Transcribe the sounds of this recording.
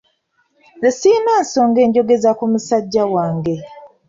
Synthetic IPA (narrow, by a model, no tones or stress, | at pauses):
lesiːnaːnso̞ːŋɡe̞ːɲɟo̞ɡe̞zakumusaɟːawaːŋɡe̞